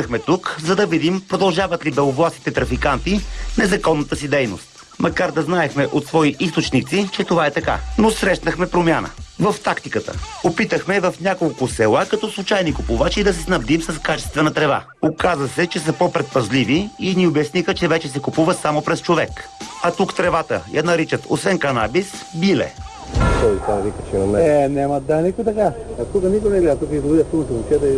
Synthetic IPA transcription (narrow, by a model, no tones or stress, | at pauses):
əxmɛt̪ukzɐd̪ɐvid̪impɾod̪ɐlˠʒavɐt̪libɛovlˠasi̥t̪ɛt̪ɾɐfikant̪inɛzɐkɔnːət̪əsid̪ɛjno̰st̪̚ | mʔɐkaɾd̪ɐznaɛxmɛʔot̪svɔiʔist̪ot͡ʃnit̪sit͡ʃɛt̪ovaɛt̪ɐka̰nosɾɛʃnəxmɛpɾomʲjanə̰vɐft̪akt̪ikət̪ə̰opit̪əxmɛvɐfnʲakolˠkʊsɛlˠakɐt̪ɔslˠut͡ʃajnikʊpuvat͡ʃid̪ɐs̬ɛsnɐbd̪imsɐskat͡ʃɛ̥st̪vɛnɐt̪ɾɛva̰ | okazəsɛt͡ʃɛsɐpɔpɾɛt̪̚pɐzliviːniobɛsnixət͡ʃɛvɛt͡ʃɛs̬ɛkupuvɐt̪samopɾɛst͡ʃovɛkɐt̪ukt̪ɾɛvat̪ə̰jɐnɐɾit͡ʃət̪o̰svɛnkɐnabisbilɛ̰ | t̪ɔist̪anɐvikət͡ʃɛnɐmɛɛnʲamɐd̪anikojt̪ɐkat̪ukənikonɛɡlɛat̪ukəid̪ovid̪ʲəft̪unt̪omot͡ʃʲɛt̪ə